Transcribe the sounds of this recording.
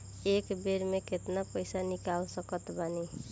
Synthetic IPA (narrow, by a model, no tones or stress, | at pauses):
ekbeɾmekʰet̪napʌjsanikawsʌkʌt̪bani